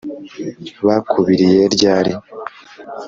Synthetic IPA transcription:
βakʰuβiɾije̞ɾɟaːɾi

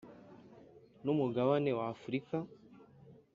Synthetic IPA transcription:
numuɡaβanewaːfuɾika

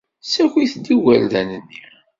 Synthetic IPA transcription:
sækʷiθd̪iwælðænənːi

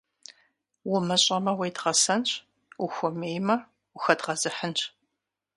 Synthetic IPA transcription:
wʊmɨɕʼɐmɐwejdʁɐsɐnɕʰʼ | uxʷɔmeːjmɐ | ʊxɐdʁɐzɨħənt͡ʃʼ

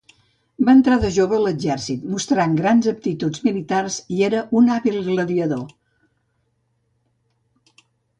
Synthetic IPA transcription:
baənt̪ɾaðəʒoβəːləd͡ʒɛrsit̪must̪ɾaŋɡɾanzəp̚t̪it̪ud͡zmilit̪arzieɾəʔunaβilˠɣləðiəðo

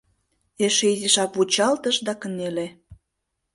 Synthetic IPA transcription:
eʃeiziʃɑkβut͡ɕɑlt̪əʃd̪ɑkənele

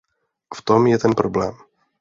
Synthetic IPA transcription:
ft̪omjɛt̪ɛnpɾoblɛːm

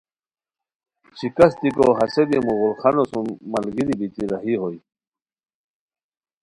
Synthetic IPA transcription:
t͡ɕʰikɐst̪ikoɦɐsebimuɣulχɑnosunmɐlɡiɾibit̪iɾɐɦiɦoj

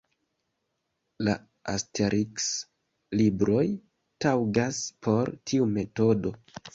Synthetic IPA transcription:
la̰ | ʔa̰stʰe̞ɾʔiks | libɾo̞j | tawɡaspʰo̞ɾtʰiume̞to̞do̞

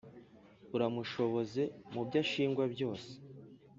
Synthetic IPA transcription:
uɾamuʃo̞βo̞ze̞mubɟaʃiːŋɡwabɟo̞ːse̥

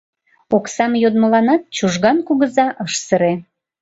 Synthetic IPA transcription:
oksɑmjod̪məlɑnɑt̪̚t͡ɕuʒɣɑnkuɣəzɑʔəʃsəɾe

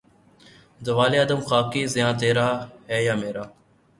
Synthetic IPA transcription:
zəʋaːleːəd̪əmxaːkiːzɪjãːt̪eːɾaːɦɛːjaːmeːɾaː

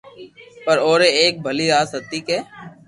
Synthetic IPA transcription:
pəɾoːɾeeːk̚bʱəliːɾaːsət̪ikeː

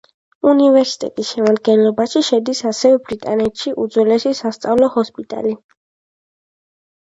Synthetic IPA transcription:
univɛɾsi̥t̪ʼɛ̰t̪ʼisʃɛmad̪̚ɡɛnlɔbaʃiʃɛd̪isasɛvɛbɾit̪ʼanɛt̪ʃiʔṵd̪zwlɛsisast̪sʼavlˠɔhɔspʼit̪ʼa̰li

